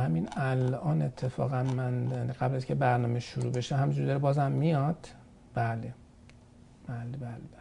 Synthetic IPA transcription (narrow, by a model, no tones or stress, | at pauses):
hæminælʔɒːne̞t̪ʰːe̞fɒ̰ːɣænmænjaːniɡæblæziŋcʰe̞bæɾnɒːmeʃuɾube̞ʃeɦæmind͡ʒuɾid̪ɒɾebɒːzæmːijɒd̪̥ | b̥æle | b̥æːlebæːlebæ